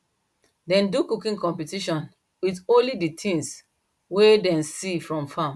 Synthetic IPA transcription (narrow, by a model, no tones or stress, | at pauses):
dɛ̃ndukukĩnkɔ̃mpitiʃɔ̃n | witõnliditʰĩŋs | wedɛ̃nsifɹɔ̃mfãm